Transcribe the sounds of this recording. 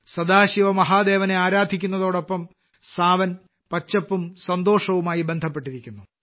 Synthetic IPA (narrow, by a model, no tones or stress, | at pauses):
sɐd̪aːɕiʋɐmɐɦaːd̪e̞ːʋɐne̞aːɾaːd̪ʱikʲːunːɐðo̞ːɽo̞pːɐm | saːʋɐn | pɐt͡ɕːɐpːumsɐnd̪o̞ːʂɐʋumaːjibe̞nd̪ʱɐpːe̞ʈːiɾikʲːunːu